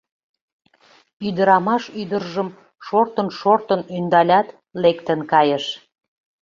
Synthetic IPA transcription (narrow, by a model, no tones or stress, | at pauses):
yd̪əɾɑmɑʃyd̪ərʒəm | ʃort̪ənʃort̪ənynd̪ɑlʲɑt̪ | lekt̪ənkɑjəʃ